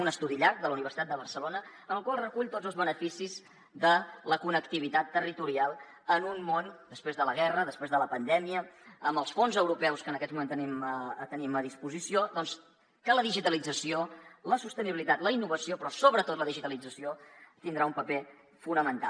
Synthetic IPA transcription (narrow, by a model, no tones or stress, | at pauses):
unəst̪uðiʎaɾk̚d̪ələuniβərsit̪at̪d̪əβəɾsəlonəənəlˠkwalˠrəkuʎt̪odd͡zəlˠzβənəfisiz | ðələkunəkt̪iβ̞it̪at̪ːərit̪uɾialˠ | ənunmond̪əspɾezðələɣ̞ɛrəðəspɾezðələpənd̪ɛmiəəmbəlˠsfonzəwɾupɛwskənəkɛt̪mumẽnt̪ənimt̪əniməðispuzisiod̪ɔns | kələðiʒit̪əlid͡zəsioləsust̪əniβilit̪at̪ləinːuβəsiopɾɔsoβɾət̪ot̪ləðiʒit̪əlid͡zəsiot̪ind̪ɾaumpəpe | funəmənt̪a̰lˠ